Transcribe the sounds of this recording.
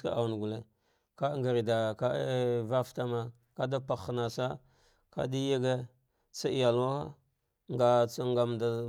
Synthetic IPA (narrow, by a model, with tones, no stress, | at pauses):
ka̰˦a̰˨n˨ɡu˨le˨ | ka˦ŋɡa˨ɾi˨da˨ka˦va˦fta˦ma˨ | ka˦da˦pa˨xna˨sa˦ | ka̰˦di˦ja˦ɡe˦ | t͡sa˦i˨ja˨la˦a̰˦ | ŋɡa˨t͡sa˦ŋɡa˨mda˨